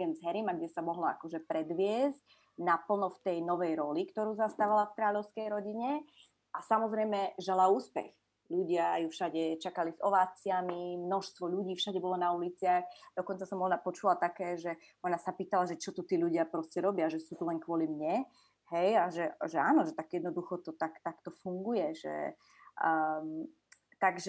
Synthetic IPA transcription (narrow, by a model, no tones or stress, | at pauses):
ɛnzɦɛɾimaɡɟɛsamɔɦlɔa̰kɔʒɛpɾɛd̪ʋɪɛzc̚ | napl̩nɔft̪ɛjnɔʋɛjɾɔlikt̪ɔɾuːzast̪aʋalafkɾaːʎɔʊskɛjɾɔɟiɲɛ | ʔasamɔzɾɛjmɛʒɛlauːspɛ̰x | ʎuɟɪajufʃaɟɛt͡ʃakalizɔʋaːt͡sɪamimnɔʃst̪ʋɔʎuɟiːfʃaɟɛbɔlɔnaulit͡sɪaxd̪ɔkɔnt͡sasɔmɔnapɔt͡ʃulat̪akɛːʒɛ | ɔnasapiːt̪alaʒɛt͡ʃɔt̪ɔt̪iːʎuɟɪapɾɔscɛɾɔbɪaʒɛsuːt̪ɔlɛŋkʋʊɔlimɲɛ | ɦɛjaʒɛʒɛaːnɔʒɛt̪aɡjɛd̪nɔd̪uxɔt̪ɔt̪akt̪akt̪ɔfuŋɡujɛʒɛ̰ | t̪aɡʒɛ